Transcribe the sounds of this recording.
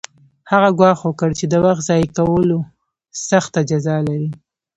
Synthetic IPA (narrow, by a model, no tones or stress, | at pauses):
haɣaɡwɑxwəkəɽt͡ʃed̪əwaxt̪zɑjkawəlo | saxt̪ad͡ʒazɑlaɾi